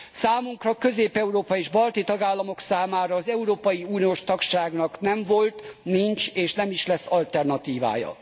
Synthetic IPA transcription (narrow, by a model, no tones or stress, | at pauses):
saːmuŋkrɒkø̞zeːpɛuɾoːpɒeːʒbɒlt̪it̪ɒɡaːlːɒmo̞ksaːmaːɾɒːzɛuɾoːpɒjiuːnijoːʃt̪ɒkʃaːɡnɒknɛɱvo̞lt̪nint͡ʃeːʃnɛmiʃlɛsːɒlt̪ɛrnɒt̪iːva̰ːjɒ̰